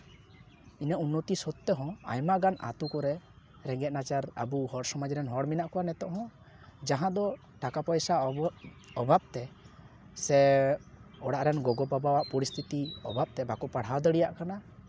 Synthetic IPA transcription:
inəʔunːot̪isɔt̪ːɛɦɔ̃a̰jmaɡana̰t̪ukɔɾɛ | ɾɛŋɡɛt̪̚nat͡ʃaɾa̰buhɔɽsɔmad͡ʒɾɛnɦɔɽminaʔkɔwanɛt̪ɔʔɦɔ̃ | d͡ʒaɦãd̪ɔ | ʈakapɔjsa | ɔbʱab̥̚t̪ɛ | sɛ | ɔɽaʔɾɛnɡɔɡɔbabawaʔpɔɾist̪ʰit̪iɔ̰bʱap̚t̪ɛbakɔpaɽ̤awd̪əɽijaʔkana

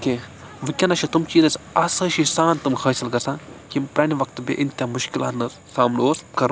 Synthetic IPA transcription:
ke | ʋɨkʲɐnɐʃʰit̪umt͡ʃiːzɐsʲɐsəʃisaːnt̪umxʰəːsilkɐɾsãkimpɾʲaːniʋɐk̚t̪bʲḭʔint̪ʲamʊʃkila̰ːt̪nɐssaːmnoːskɐɾ

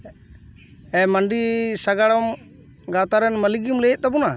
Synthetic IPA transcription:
ɛmanɖisaɡaɽɔm | ɡawt̪aɾɛnməliɡumlɛjɛt̪̚t̪abuna

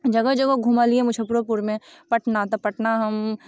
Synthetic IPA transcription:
d͡ʒɐɡəd͡ʒɐɡɐɡʱumaliẽmʊt͡ʃʰəpuɾopuɾmẽ | pɐʈnat̪ɐpɐʈnaɦɐm

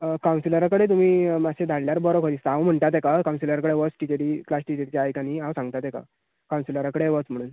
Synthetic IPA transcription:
əkawnsiləɾakəɽet̪̬um̤iːmaɕed̪ʱaɽljaɾbɔɾɔkʰod̪ist̪ãwm̤əɳt̪at̪̬ekakaw̃nsiləɾakəɽeʋət͡sʈit͡ɕeʈiːklasʈit͡ɕeʈ̚t͡ɕaːjkaniɦãwsãŋɡt̪at̪eka̰ | kaw̃nsiləɾakəɽeʋət͡sm̤əɽ̃uːn

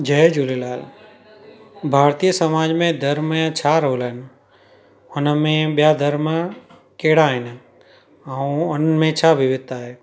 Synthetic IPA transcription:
d͡ʒəjd͡ʒulelaːl | bʱaːɾt̪ijəsəmaːd͡ʒmẽd̪ʱəɾmat͡ʃʰaːɾɦoːlən | ʊnmẽɓjad̪ʱəɾmə | keːɽaɦɪn | əuʊnmẽt͡ʃʰabʱiʋɪt̪ːaɦeː

